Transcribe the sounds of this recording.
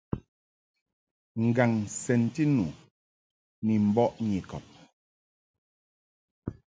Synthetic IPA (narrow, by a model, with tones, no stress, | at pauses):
ŋ̩˨ɡa˨ŋsɛ˨n˦ti˦nu˨ | ni˨m̩˨bɔ˦ʔɲi˨kɔ̰˨p̚